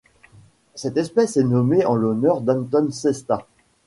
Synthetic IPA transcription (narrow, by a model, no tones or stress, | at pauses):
sɛt̪ɛspɛsɛnɔmeɑ̃lɔnœʁd̪ɑ̃nt̪ɔnsɛst̪a